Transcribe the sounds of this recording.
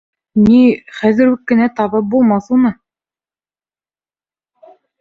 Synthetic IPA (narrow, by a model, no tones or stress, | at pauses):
niχæðɘ̆ɾʉkːɘ̆næt̪ɑβɤp̚bulˠmɑθunɤ